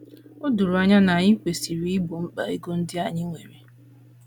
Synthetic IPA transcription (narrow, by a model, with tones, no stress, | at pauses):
ʊ˦du˨ɾu˨a˦ɲa˦na˨ɲɪ˦kʷe˨si˨ɾi˦i˦bo˨ŋ͡m̩˦k͡pa̰˨i˦ɡo˦n̩˦dɪ˦a˨ɲɪ˦ŋʷe˨me˨